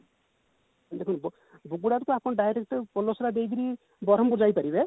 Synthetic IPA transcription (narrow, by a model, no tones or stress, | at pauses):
d̪ekʰunbɔ | buɡuɽaɾukuapɔnɔɖajɾek̚ʈpɔlosɾad̪ejɡiɾi | bɔɾɔmbuɾd͡ʒajpaɾibe